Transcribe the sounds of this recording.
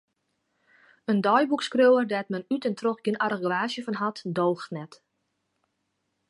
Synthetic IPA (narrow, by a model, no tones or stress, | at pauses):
əndɔjbukskrøwərdɛtmɛnytɛntroxɡɪnʔarəɡʋaːsjəfɔnɦatdoːxtnɛt